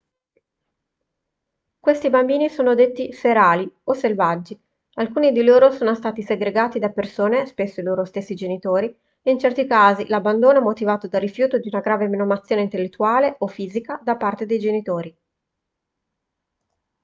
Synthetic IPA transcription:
kwest̪ibambiːnisoːnod̪et̪ːifeɾaːlioselvad͡ʒːi | alkuːnid̪iloːɾosoːnost̪aːt̪iseɡɾeɡaːt̪id̪apersoːnespesːoiloːɾost̪esːid͡ʒenit̪oːɾi | eint͡ʃɛrt̪ikaːzilabːand̪oːnoɛmot̪ivaːt̪od̪arːifjuːt̪od̪iunaɡɾaːveminomat̪sːjoːneint̪elːet̪ːuaːleofiːzikad̪apart̪ed̪ejd͡ʒenit̪oːɾi

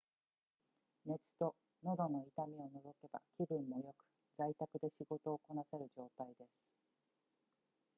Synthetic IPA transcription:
me̞t͡sɨ̥t̪o̞ | no̞d̪o̞no̞it̪amʲio̞no̞zo̞ke̞ba̰kʲibɯ̟̃mːo̞jo̞kɯ̟̥ | zait̪akɯ̟d̪e̞ɕiɡo̞t̪o̞ːko̞nase̞ɾɯ̟ʑo̞ːt̪aid̪e̞sɨ̥

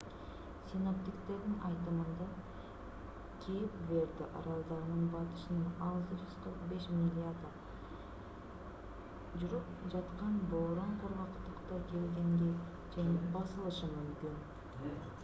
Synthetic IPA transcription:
sʲino̞p̚t̪ʲikt̪e̞ɾd̪ɪnʔɑjt̪əmənd̪ɑ | kʲʰijɪpve̞ɾd̪ɪʔɑɾɑlˠd̪ɑɾnəɴbɑt̪ə̥ʃɪnənɑlˠzəʒyzt̪ʰoɾqbe̞ʃmʲilʲɪad̪ə | ʒʊɾɯpʒɑt̪qɑnboɾoɴqʰoɾʁɑqt̪əqt̪ɑkʰe̞lɡ̪e̞ŋɡʲe | d͡ʒenɪbɑsəlˠəʃəmʏmkʲin

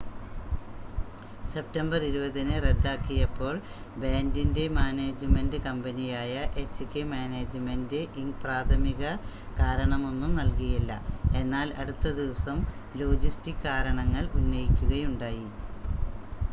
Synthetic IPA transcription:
se̞p̚tɐmbɐriɾubɐðinɨred̪ːaːkːijɐpːo̞ːɭ | beːndinde̞maːneːd͡ʑɨmendɨkɐmbɐnijaːjɐʔet͡ɕːɨkʲːemaːneːd͡ʑɨmendɨʔiŋɡpraːt̪ʰɐmiɣɐ | kaːɾɐɳɐmo̞nːumnɐlkijɐlːɐ̰e̞nːaːlɐɽut̪ːɐd̪iʋɐsɐmlo̞ːd͡ʑistikːaːɾɐɳɐŋːɐɭunːɐjikʲːuɣɐjuɳɖaːji

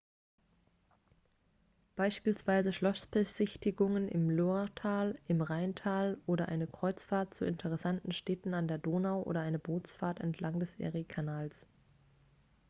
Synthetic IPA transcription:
b̥aɪʃpiːlsv̥aɪzəʃlɔsb̥əz̥ɪçtɪɡʊŋənʔɪ̰mloʁtʰaːlʔɪmʁaɪntʰaːlʔoːɾɐʔa̰ɪnəkʁ̥ɔʏt͡sfaːɐt̚t͡suɪntʰəʁ̞ɛsantn̩ʃtɛːtn̩andeːɐdoːnaʊʔo̰ːɾɐʔaɪnəboːt͡sfaːɐtɛ̰ntʰlaŋdɛsʔɛ̰ʁikʰanaːls

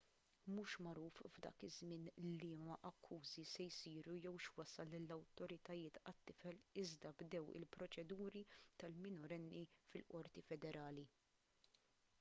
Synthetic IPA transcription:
muːʃmɐɾuːfvd̪ɐ̰ːkɪzmɪːnlimɐʔɐkʰːuːzisɛjsiːɾujɛwʃwɐsɐlːɪlːɐwt̪ɔɾɪt̪ɐjɪːt̪ɐt̪ːɪfɛlɪzd̪ɐbd̪ɛwɪ̰lpɾɔt͡ʃɛd̪uːɾit̪ɐlmɪnɔɾɛnːifɪlʔɔɾt̪ifɛd̪ɛɾʔɐːli

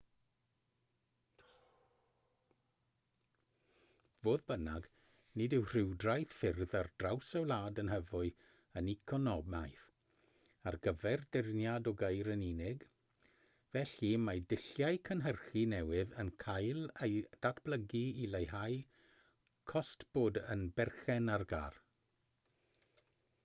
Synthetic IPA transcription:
voːðbənaɡ | nɪdɪwr̥ɪwdrajθfɪrðard̥rawsawlˠaːdənɦəvʊɨ | ənikʰɔnɔbmajθ | arɡəvɛrdɪrnjadɔɡejɾəninɪɡ | vɛɬimadɪɬjajkʰənɦərχinɛwɪðənkʰajlˠejd̥atʰb̥ləɡiilˠejɦaj | kʰɔstb̥oːdə̰nbɛrχɛnarɡa̰ːr

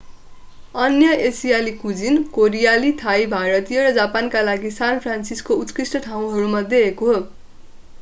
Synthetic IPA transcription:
ʌnjʌesijalikud͡zinkoɾijalit̪ʰajbʱaɾʌt̪ijʌrʌd͡zapankalaɡisanpʰransiskout̪krisʈʌʈʰaw̃ɦʌɾumʌd̪ʱjeekoɦo

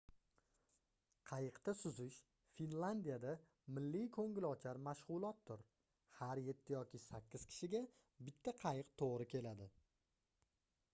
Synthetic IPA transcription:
qʰɑjɨqt̪asʊzɪʃ | finland̪ijad̪a | mɪlːijkʰoŋɡʲɪlɒt͡ʃʰaɾmaʃʁʊlˠɒt̪̚ːʊɾ | haɾje̞t̪ʰːɪjɒkʲɪsakʲːɪz̥kʲʰɪ̥ʃɪɡʲa | bɪt̪ʰːaqʰɑjɨqt̪ʰoʁɾɪkʲʰe̞lad̪ɪ

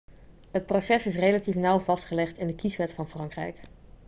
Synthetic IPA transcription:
ɦət̚prosɛsɪs̬rejlatifnʌwv̥ɑstχəlɛχtɪndəkisʋɛtfɑnfrɑŋkrɛ̰jk

